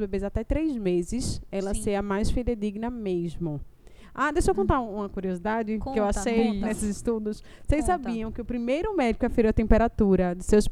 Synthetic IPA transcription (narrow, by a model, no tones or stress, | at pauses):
bebezat̪ɛt̪ɾezmezɪsɛlɐseɐmajsfiled̪iɡnɐmeʒmʊ | ad̪ejʃowkõt̪aɾũũmɐkuɾiozid̪ad͡ʒɪkkɪewaʃʃejnesɪzɪʃt̪ud̪ʊs | sejssabiɐ̃w̃kɪʊpɾimejɾʊmɛd͡ʒikʊafeɾowɐt̪ẽmpeɾat̪uɾɐd̪ɪsews